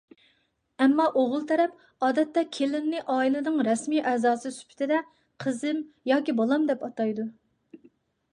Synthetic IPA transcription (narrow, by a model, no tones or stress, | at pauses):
ɛmːɑʔoʁʊlˠt̪ʰɛɾɛp | ɑːd̪ɛt̪ːɛkʲʰelɪnnɪʔɑːilˠɨnɨŋɾɛsmiːʔɛzɑːsɨsy̥pʰt̪ʰɪd̪ɛ | qʰəzɪmjɑːkʲibɑlˠɑmd̪ɛpɑt̪ɑjd̪u